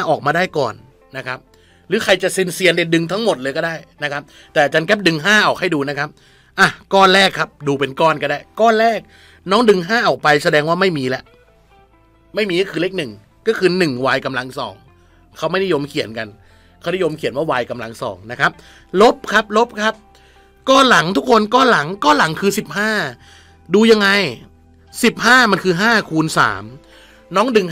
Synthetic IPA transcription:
haː˥˩ʔɔː˨˩k̚maː˧daː˥˩jkɔː˨˩nː | a˦˥kʰa˦˥p̚ | ɾɯː˨˦kʰa˧jt͡ɕa˨˩ʔsi˧nsi˧ənde˧˩n̚dɯ˧ŋt̪ʰa˦˥ŋmo˨˩t̪̚lɤː˧jkɔː˥˩daː˥˩jna˦˥kʰa˦˥p̚ | t̪ɛː˨˩ʔa˨˩t͡ɕaː˧nkɛ˦˥p̚dɯ˧ŋɦaː˥˩ʔa˨˩k̚ha˥˩jduː˧na˦˥kʰa˦˥p̚ | ʔa˧˩kɔː˥˩nlɛː˥˩kʰːa˦˥p̚duː˧pe˧nkɔː˥˩nka˧˩ndaː˧˥˩jkɔː˥˩nlɛː˥˩k̚ | nɔː˦˥ŋdɯ˧ŋɦaː˥˩ʔɔː˨˩k̚pa˧jsa˧dɛː˧ŋwaː˥˩ma˥˩jmiː˧lɛ˦˥ʔ | ma˥˩jmiː˧kɔː˥˩kʰɯː˧le˦˥˩k̚nɯ˨˩ŋ | kɔː˥˩kʰɯː˧nɯ˨˩ŋwaː˧jka˧mla˧ŋsɔ̰ː˩˦ŋ | kʰa˦˥wma˥˩jda˥˩jo˧mkʰi˨˩˦ənka˧n | kʰa˦˥˩da˥˩jo˧mkʰi˨˩˦nwaː˥˩waː˧jka˧mla˧ŋsɔ̰ː˩˦ŋna˦˥kʰa˦˥p̚ | lo˦˥p̚kʰa˦˥p̚lo˦˥p̚kʰa˦˥p̚ | kɔː˥˩la˨˩˦ŋt̪ʰu˦˥kʰo˧nkɔː˥˩la˩˦ŋkɔː˥˩la˨˩˦ŋkʰɯː˧si˨˩p̚haː˥˩ | duː˧ja˧ŋːa˧j | si˨˩p̚haː˥˩ma˧nkʰɯː˧ɦaː˥˩kʰuː˧nsa̰ː˩˦m | nɔː˦˥ŋdɯ˨˧ŋ

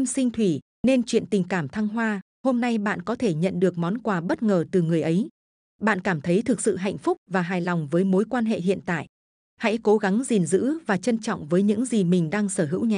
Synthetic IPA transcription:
i˧msï˧ŋ̟t̪ʰwi˧˩ | ne˧nt͡ɕwḭ˧˨ənt̪ï˨˩ŋ̟kaː˧˩mt̪ʰa˧ŋɦwaː˧ | ho˧mna˧jɓa̰ː˧˨nkɔ˨˦t̪ʰe˧˩ɲə̰˧˨nɗɨ˨˩ək̚mɔ˨˦nkwaː˨˩ɓə˦˥t̚ŋəː˨˩t̪ɨ˨˩ŋɨ˨˩əjʔə˨˦j | ɓa̰ː˧˨nkaː˧˩mt̪ʰə˨˦jt̪ʰɨ˨˩k̚sɨ̰˧˨ɦa̰˧˨jŋ̟fʊ˦˥k͡p̚vaː˨˩ɦaː˨˩jlɔ˨˩wŋ͡mvəː˨˦jmo˨˦jkwaː˧nɦḛ˧˨ɦḭ˧˨ənt̪a̰ː˧˨jʔ | ha̰˧˥jko˨˦ɣa˨˦ŋzi˨˩nzɨ̰˧˥vaː˨˩t͡ɕə˧nt͡ɕɔ̰˧˨wŋ͡mvəː˨˦jɲɨ̰˧˥ŋzi˨˩mï˨˩ŋ̟ɗaː˧ŋsəː˧˩ɦɨ̰˧˥wɲa˨˩

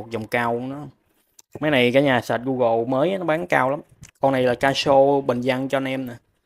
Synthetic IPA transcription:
k̚zə˨˩wŋ͡mkaː˧wnɔ˨˦ | ma˨˦jna˨˩jkaː˨˦jɲaː˨˩sa˨˩t̚ɣu˧ɣo̰˧˨məː˨˦jnɔ˨˦ɓaː˨˦ŋkaː˧wla˨˦mkɔ˧wna˨˩jlaː˨˩kaː˧so˧ɓə˨˩ŋza˧ŋt͡ɕɔ˧nɛ˧mnaː˨˩

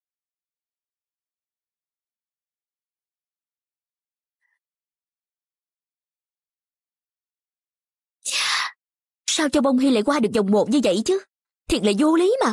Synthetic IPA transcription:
saː˧wt͡ɕɔ˧wɓə˧wŋ͡mɦi˧la̰ː˧˥jkwaː˧ɗɨ˨˩k̚zwŋ͡mmo˨˩t̚ɲɨ˧və̰˧˨jt͡ɕɨ˨˦ | t̪ʰi˨˩la̰ː˧˨jzu˧li˨˦maː˨˩

